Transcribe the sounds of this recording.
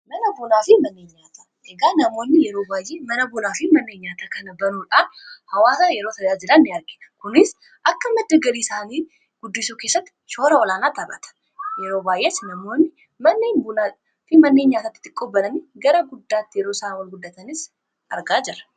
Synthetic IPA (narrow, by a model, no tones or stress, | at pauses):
mɐnɐbʊnaːfɪmɐnːeːɲːaːt̪ḁ | eɡaːnɐmo̞ːnːɪjɛɾoːbaːjːeːmɐnɐbʊnaːfɪmɐnːe̞ːɲːaːt̪akʰɐnɐbɐnuːᶑaːnhɐwaːsaːjɛɾoːt̪ʰɐjaːd͡ʒɪɾɐnːɪɐɾɡe̥kʊnɪs | ʔɐkːɐmɐd̪ːɐɡɐɾiːɪsaːniː | ɡ̥ʊd̪ːɪsuːke̞ːsːɐt̪ː | ʃo̞ːɾɐɔlaːnaːt̪ɐrɐ̰t̪ʰɐ̥ | jɛɾoːbaːjʔeːsnɐmo̞ːnːɪ | mɐnːeːɲbʊna | fɪmɐnːe̞ːɲːaːt̪at̪ːɪ̥t̪ːɪ̥kʼːoːbːɐlɐniɡɐɾɐɡʊd̪ːaːt̪ːɪjɛɾoːsaːnwɐnɡʊd̪ːɐt̪ɐnɪs | ʔɐɾɡaːd͡ʒɛɾɐ̥